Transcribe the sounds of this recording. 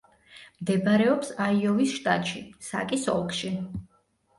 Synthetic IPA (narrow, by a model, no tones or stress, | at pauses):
md̪ɛbɾɛɔpsaiɔvisʃt̪ʼa̰t̪ʼʃisa̰kʼisɔ̰lˠkʰʼʃi